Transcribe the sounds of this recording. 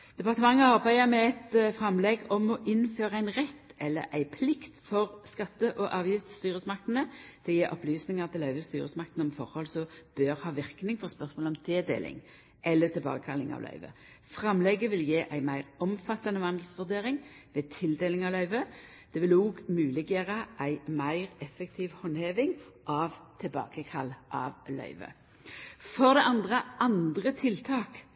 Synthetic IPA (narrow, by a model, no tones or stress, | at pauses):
d̪̥ɛpɑʁt̪əmɑŋːəɑʁbæɪəmɛɛt̪fʁɛmlɛɡɔmɔʔɪnːføːɾəæɪnʁɛt̪ːɛlːə̰ʔæɪpʰlɪkt̪fɔʁskɑt̪ːəʔɔʔɑːʋjɪft̪st̪yːɾəsmɑk̚t̪nəd̪̥ʰɪjeːʔɔplyːsnɪŋɑʁt̪ʰɪlœʏʋəst̪yːɾəsmɑkt̪nɔmfɔɾhɔlsɔb̥øːɾhɑːʋɪɾknɪŋfɔɾspœʁsmoːlɔmt̪ʰeːd̪ḛːlʔɪ̰ŋ | ʔɛlːət̪ʰɪlbɑ̰ːɡəkʰɑlɪŋɑ̰ʋlœ̰ʏʋə̰ | fʁɑmlɛɡəʋɪljeːʔæɪmæɪʁɔmfɑt̪ːɑnəʋɑnd̪l̩sʋʉʁd̪eːʁɪŋʋeːt̪ʰɪld̪eːlɪŋɑʋlœʏʋə | d̪̥ɛʋɪluːɡmʉːlɪɡjeːʁəʔæɪmæɪʁɛfək̚t̪ʰiːʋhɔnheːʋɪŋʔɑʋt̪ʰɪlbɑ̰ːkəkʰɑlːʔɑ̰ʋlœ̰ʏʋə̰ | fɔʁd̪ɛʔɑnd̪ʁəʔɑnd̪ʁət̪ʰɪlt̪ʰɑːk